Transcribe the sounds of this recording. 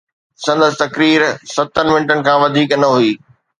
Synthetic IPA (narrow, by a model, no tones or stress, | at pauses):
sɐ̃nd̪əsɪ̆t̪ɐkɾiːɾsɐt̪ːənmɪ̃nʈənɪ̆kʰãːʋɐd̪ʱiːknɐɦuiː